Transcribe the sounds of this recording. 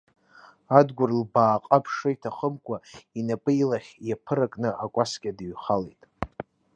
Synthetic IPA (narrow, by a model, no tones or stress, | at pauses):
adɡʷʊrlbaːqʼapʰʂɨitʰaχəmkʷʼainapʼɨilaχʲjapʰɨɾakʼnɨʔakʷʼasɡʲʼadɨɥχalejtʼ